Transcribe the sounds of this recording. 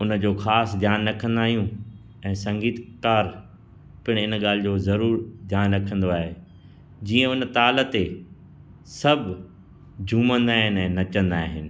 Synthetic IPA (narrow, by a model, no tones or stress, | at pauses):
ʊnəd͡ʑoːxaːsd̪ʱjaːnɾɐkʰə̃nd̪aːɦijũ | ɛ̃ːsɐ̃ŋɡiːt̪kaːɾ | pɪɽ̃ɪnɠaːl̤ɪ̆d͡ʑoːzɐɾuːɾd̪ʱjaːnɾɐkʰə̃n̆d̪oaːɦe | d͡ʑiːə̃ʊn̆t̪aːlət̪e | sɐbʱ | d͡ʑʱũːmə̃nd̪aːɦɪnɛ̃ːnɐt͡ɕə̃nd̪aːɦɪnɪ̆